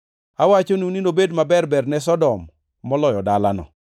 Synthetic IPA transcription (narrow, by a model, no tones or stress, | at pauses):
awat͡ʃonuninobedmabɛrbɛrnɛs̬ɔdɔmː | ɔlɔjɔdala̰nɔ̰